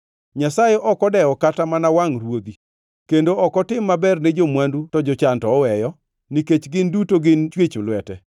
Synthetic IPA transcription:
ɲasajɛʔɔkɔdɛɔkatamanawaŋrwod̪i | kendoɔkɔtɪmːabɛrned͡ʒomwandutɔd͡ʒɔt͡ʃantɔːwɛjɔ | niket͡ʃɡɪndutoɡɪnt͡ʃwet͡ʃʊlwɛtɛ

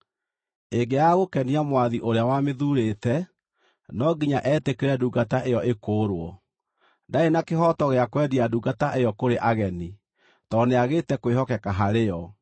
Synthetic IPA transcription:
eɡeaɣokɛniamwaðiʔoɾeawameðuɾetɛ | nɔɡiɲaʔɛtekeɾɛduːɡataʔejɔʔekoːɾwɔ | ndaenakeɦɔtɔɣeakwɛdiaduːɡataʔejɔkoɾeʔaɣɛni | tɔneaɣetɛkoeɦɔkɛkaɦaɾeɔ

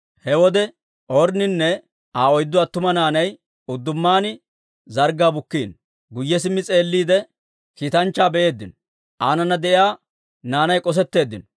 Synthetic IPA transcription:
hɛwɔd̪ɛ | ʔɔːɾnɪnːɛ | aːɔjd̪ːʊɐt̪ːʊmɐnaːnɐj | ʊd̪ːʊmːaːnɪ | zɐɾɡaːbʊkːiːn | ɡʊjːɛs̬ɪmːɪt͡sʼe̞ːlːiːd̪ɛ | kiːt̪ɐnt͡ʃːaːbɛʔe̞ːd̪ːɪnɔ | ʔaːnɐnːɐd̪ɛʔɪjaː | naːnɐjkʼɔs̬ɛt̪ːe̞ːd̪ːɪnɔ

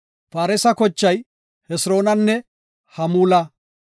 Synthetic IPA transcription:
faːɾɛsɐkɔt͡ʃːɐj | hɛsɾo̞ːnɐnːɛ | hɐmuːlɐ

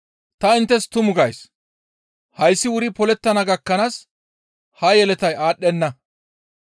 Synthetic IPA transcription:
t̪ɐɪnt̪ːɛst̪ʊmʊɡɐjs | hɐjsːɪwʊɾɪpɔlɛt̪ːɐnɐɡɐkːɐnaːs | hɐjɛlɛt̪ɐjaːɗːɛnːɐ

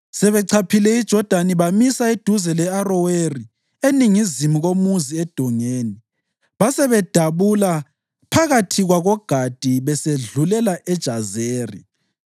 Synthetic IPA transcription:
sɛβɛǀʰapʰilɛid̥ʒ̥ʱɔd̥ʱaniβamisaid̥ʱuzɛlɛarɔweri | eniŋizimuɣomuziɛd̥ʱɔŋeːni | βasɛβɛd̥ʱaβula | pʰaɣatʰiɣwaɣɔɡ̥ʱad̥ʱiβɛseɮulɛlaʔɛd̥ʒ̥ʱazeːri

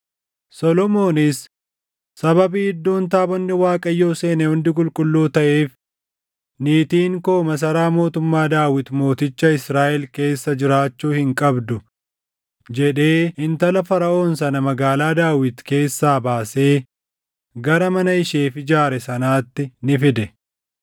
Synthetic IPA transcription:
sɔlɔmo̞ːnɪsː | ɐbɐbiːɪd̪ːo̞ːnt̪aːbɐnːɪwaːkʼɐjːo̞ːse̞ːnɛhʊnd̪ɪk̬ʼʊlkʼʊlːuːt̪ɐʔe̞ːf | niːt̪iːŋko̞ːmɐs̬ɐɾaːmo̞ːt̪ʊmːaːd̪aːwɪt̪mo̞ːt̪ɪt͡ʃːɐɪsɾaːʔɛlke̞ːsːɐd͡ʒɪɾaːt͡ʃːuːhɪŋkʼɐbd̪ʊ | d͡ʒɛᶑe̞ːɪnt̪ɐlɐfɐɾɐʔo̞ːnsɐnɐmɐɡaːlaːd̪aːwɪt̪ke̞ːsːaːbaːse̞ː | ɡɐɾɐmɐnɐɪʃeːfɪd͡ʒaːɾɛsɐnaːt̪ːɪnɪfɪd̪ɛ

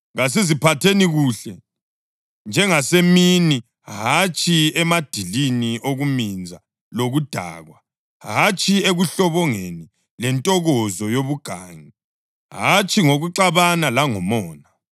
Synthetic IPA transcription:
ɣas̬izipʰatʰeniɣuːɬɛ | nd͡ʒʱɛŋasemini | ɦat͡ʃʰʼiɛmad̥ʱiliniʔoɣumind͡zʱa | loɣud̥ʱa̰ːɣwa | ɦat͡ʃʰʼieɣuɬɔβɔŋeni | lɛntʼɔɣɔzɔjoβuɡ̥ʱaːŋi | ɦat͡ʃʰʼiŋoɣuǃaβanalaŋɔmɔːna

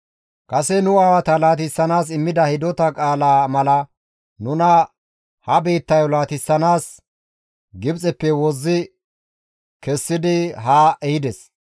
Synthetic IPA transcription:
kʼɐsɛnʊaːwɐt̪ɐlaːt̪ɪsːɐnaːsɪmːɪd̪ɐhɪd̪ɔt̪ɐkʼaːlaːmɐlɐ | nʊnɐ | hɐbe̞ːt̪ːɐjɔlaːt̪ɪsːɐnaːs | ɡɪbt͡sʼɛpːɛwɔzːɪ | kɛsːɪd̪ɪɦaːʔɛhɪd̪ɛs

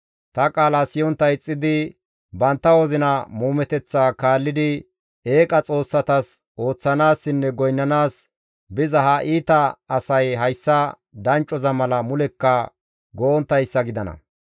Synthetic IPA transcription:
t̪ɐkʼaːlɐsɪjɔnt̪ːɐjɪt͡sʼːɪd̪ɪ | bɐnt̪ːɐwɔzɪnɐmuːmɛt̪ɛt͡sːaːkaːlːɪd̪ɪ | e̞ːkʼɐt͡sʼo̞ːsːɐt̪ɐs | ʔo̞ːt͡sːɐnaːsːɪnːɛɡɔjnːɐnaːs | bɪzɐɦɐʔiːt̪ɐːsɐjɦɐjsːɐ | d̪ɐnt͡ʃʼːɔzɐmɐlɐmʊlɛkːɐ | ɡɔʔɔnt̪ːɐjsːɐɡɪd̪ɐnɐ̰

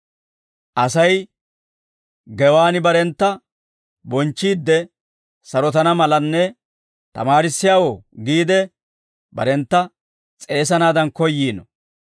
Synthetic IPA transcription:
ʔɐsɐj | ɡɛwaːnɪbɐɾɛnt̪ːɐ | bɔnt͡ʃːiːd̪ːɛ | sɐɾɔt̪ɐnɐmɐlɐnːɛ | t̪ɐ̰maːɾɪsːɪjaːwɔɡiːd̪ɛ | bɐ̰ɾɛnt̪ːɐ | t͡sʼe̞ːs̬ɐnaːd̪ɐnkɔjːiːnɔ

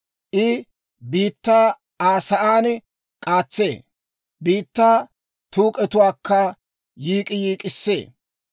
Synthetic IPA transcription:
ʔɪ | biːt̪ːaː | aːsɐʔaːn | kʼaːt͡sːeː | biːt̪ːaː | t̪uːkʼɛt̪ʊwaːkʰːɐ | jiːkʼɪjiːkʼɪsːe̞̰ː

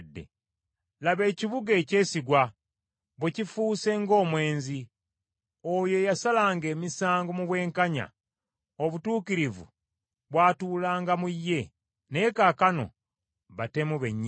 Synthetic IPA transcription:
dːḛ | laβe̞ːciβuɡeːce̞ːsiɡwa | βwecifuːse̞ŋɡo̞ːmwe̞ːnzi | ojo̞jasalaːŋɡe̞ːmisaːŋɡomuβwe̞ːŋkaɲa̰ | oβutuːkiɾivṵ | βwaːtuːlaːŋɡamujːe̞ | nekakano̞̰ | βate̞muβeɲː

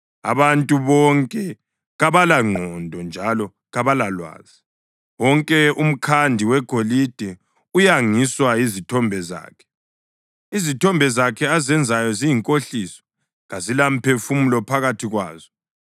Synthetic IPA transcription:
a̰βantʼuβɔŋkʼɛ | ɣaβalaŋ͡ǃʱɔndʱɔnd͡ʒʱalɔ | ɣaβalalwa̰ːz̥i | wɔŋkʼɛum̩kʰandʱiwɛɡ̥ʱolid̥ʱɛ | ujaŋiswaizitʰɔmbʱɛza̰ːkʰɛ̥ | izitʰɔmbʱɛzakʰɛazɛnd͡zʱajɔzijiŋkʼoɬisɔ̥ | ɣazilam̩pʰefumulɔpʰaɣatʰiɣwa̰ːz̥ɔ

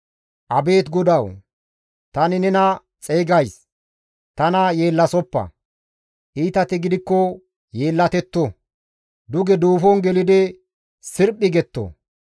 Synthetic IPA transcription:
ʔɐbe̞ːt̪ɡɔd̪ɐw | t̪ɐnɪnɛnɐ | t͡sʼɛjɡɐjs | t̪ɐnɐje̞ːlːɐsɔpːɐ̰ | ʔiːt̪ɐt̪ɪɡɪd̪ɪkːɔ | je̞ːlːɐt̪ɛt̪ːɔ | d̪ʊɡɛd̪uːfɔnɡɛlɪd̪ɪ | sɪɾpʼːɪɡɛt̪ːo̰

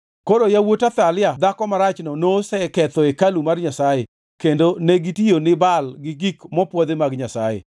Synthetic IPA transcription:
koɾojawotat̪alɪjad̪akɔmaɾat͡ʃnɔnosɛkɛt̪ɔekalumarɲasaje | kendoneɡitijonɪbalɡɪɡikmɔpwɔd̪emaɡɲasajḛ

